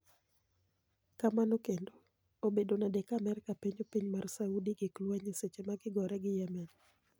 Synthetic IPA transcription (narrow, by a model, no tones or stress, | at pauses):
kamanokendo | obedonadɛkamɛɾkapiɲopiɲmarsaudiɡɪklwaɲiset͡ʃemaɡɪɡɔɾɛɡɪjɛmɛn